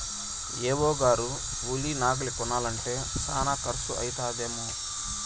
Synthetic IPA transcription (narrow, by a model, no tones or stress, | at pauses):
eːwɔːɡaːɾu | ulinaːɡɐlikɔnːaːlɐɳʈe̞ːsa̰ːnaːkɐɾɐsuʔɐ̰jit̪aːd̪eːmu